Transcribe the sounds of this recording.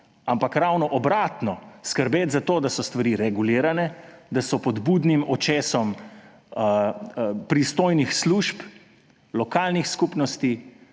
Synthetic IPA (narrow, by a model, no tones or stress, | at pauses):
ampakɾawnɔʔɔbɾaːt̪nɔskəɾbeːt̪zat̪oːd̪asɔst̪ʋaɾiɾɛɡuliːɾanɛd̪asɔpɔd̪bud̪nimɔt͡ʃɛːsɔm | pɾist̪oːjnixsluːʃp | lɔkaːlnixskupnɔst̪i